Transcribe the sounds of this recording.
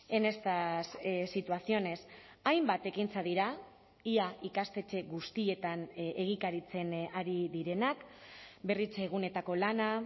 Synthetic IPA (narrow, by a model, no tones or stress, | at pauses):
e̞ne̞st̪assit̪uasio̞ne̞s | ajmbat̪e̞kint͡saðiɾa | iaikast̪e̞t͡ʃe̞ɣust̪ie̞t̪aneɣ̞ikaɾit͡se̞naɾiðiɾe̞nakbe̞rit͡se̞ɣ̞une̞t̪ako̞lana